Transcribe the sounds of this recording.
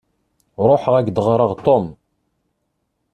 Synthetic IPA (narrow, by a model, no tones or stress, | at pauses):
ɾˤoħʁæɡd̪əʁɾˤəʁt̪om